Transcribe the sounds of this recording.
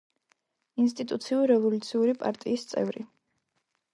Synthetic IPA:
ins̬t̪ʼit̪ʼut̪sʰiuɾiɾɛvɔlut̪sʰiuɾipʼa̰ɾt̪ʼiːst̪sʼɛ̰vɾi

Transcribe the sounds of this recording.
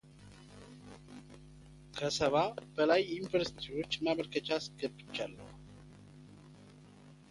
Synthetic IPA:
kʰəsəβab̥əlajɪnfəɾsi̥t̪ʰiwo̞t͡ʃːnaβəɾkət͡ʃasɡəbɨt͡ʃːalːə̰

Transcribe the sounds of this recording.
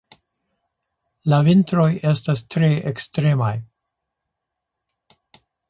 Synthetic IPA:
lavintɾo̞je̞stastɾeʔekstɾe̞maj

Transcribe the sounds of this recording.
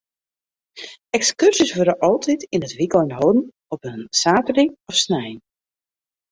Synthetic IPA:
ɛkskørsisʋøɾəʔɔlˠtʰitinətʋikɔjnɦowdn̩ | ɔpənsaːtəriɔfsnɛjn

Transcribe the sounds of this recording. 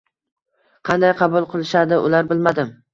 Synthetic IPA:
qʰɑnd̪ajqʰɑbʊlˠqʰɨlˠɪʃad̪ɪʔʊ̰laɾbɪlmad̪ɪm

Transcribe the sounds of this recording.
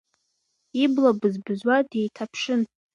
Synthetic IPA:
iblabɨzbɨzwadejtʰapʰʂɨn

